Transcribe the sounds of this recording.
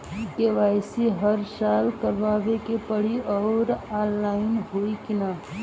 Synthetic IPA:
keʋaːɪsiɦəɾsaːlkəɾʋaːʋekepəɽ̤iɔːɾalːaɪnɦoːikina

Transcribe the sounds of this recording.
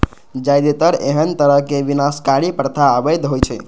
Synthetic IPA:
d͡ʒajd̪et̪əɾḛɦənt̪əɾəɦkebinaskaɾipɾt̪ʰaəbəjd̪ɦojt͡ʃʰɛ̰

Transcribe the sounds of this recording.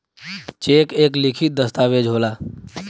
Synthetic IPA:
t͡ʃeːkeːklikʰit̪̚d̪əst̪aːʋed͡ʒʱɦoːlaː

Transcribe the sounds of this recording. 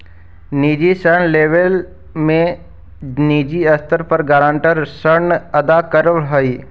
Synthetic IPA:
niːd͡ʒisəɾɳleːʋel | mẽ | niːd͡ʒiɐst̪ʰəɾpəɾɡaːɾãːɳʈəɾsəɾnɐd̪akəɾɦəiː

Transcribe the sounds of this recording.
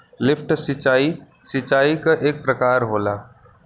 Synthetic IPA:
lɪpʰʈsɪt͡ʃaːi | sɪt͡ʃaːikaʔeːk̚pɾɐkaːɾɦoːlaː

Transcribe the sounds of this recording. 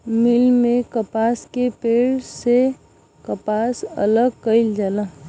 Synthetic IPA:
milmekəpaskepeɭse | kəpasə̰ləɡkəɪld͡ʒala

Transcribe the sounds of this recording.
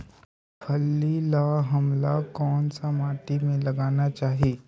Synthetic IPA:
pʰɐlːilaːɦɐmlakɔːnsamaːʈ̪imẽlɐɡaːnat͡ʃaːɦieː

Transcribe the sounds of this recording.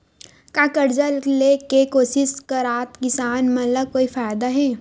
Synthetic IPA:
kakɐɾd͡ʒəllekekoːsɪskɐɾaːt̪kɪsaːnmɐləb̚koːifaːjd̪aɦɛː

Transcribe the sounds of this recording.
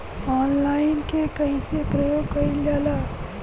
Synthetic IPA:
ɔːnlaːɪnkekəisepɾəjoːɡkɐiljaːla

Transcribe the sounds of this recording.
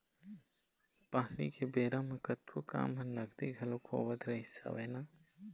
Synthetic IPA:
paːlḭkebeːɾamekɐt̪woka̰ːmɦɐ̃nɐɡd̪iɡʱɐlokʰo̰ːʋət̪ɾɐɦisa̰ʋeːnaː

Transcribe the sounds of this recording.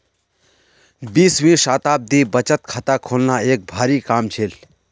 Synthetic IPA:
biːsʋĩːʃaːt̪aːb̚d̪iːbət͡ʃət̪kʰat̪aːkʰoːlnaeːk̚bʱaːɾiːkaːmt͡ʃʰeːl

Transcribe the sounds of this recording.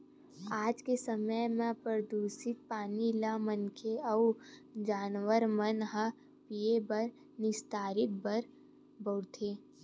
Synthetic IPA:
aːd͡ʒkesəməjmẽpɾɾd̪uːsɪt̪̚paːnilamənkʰeəud͡ʒaːnʋəɾmənɦə | piebəɾ | nɪst̪aːɾɪt̪̚bəɾ | bəːɾt̪ʰeː

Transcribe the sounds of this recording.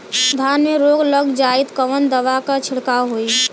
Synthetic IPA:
d̪ʱaːnmẽɾoːɡləɡd͡ʒaːɪt̪kəʋənd̪əʋakat͡ʃʰɪɽkaːwɦoi

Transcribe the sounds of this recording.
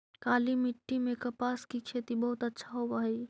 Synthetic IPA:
kalimiʈːimekəpaskikʰet̪ibəɦut̪ətːʃʰaɦobaɦɛj

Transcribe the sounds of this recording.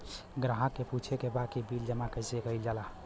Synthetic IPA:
ɡɾaɦakːeput͡ʃʰekebakibild͡ʒəmakəsekəild͡ʒala

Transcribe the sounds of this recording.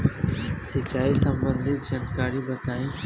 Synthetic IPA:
sɪt͡ʃaːisɐmbə̃nd̪ʱɪt̪̚d͡ʒaːnkaːɾibɐt̪aːĩ

